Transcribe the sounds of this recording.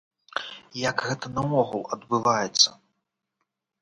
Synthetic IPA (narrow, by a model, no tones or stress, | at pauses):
jaɡɣɛt̪ɐnɐɔɣulˠɐd̪bɨvajɛt̪sːɐ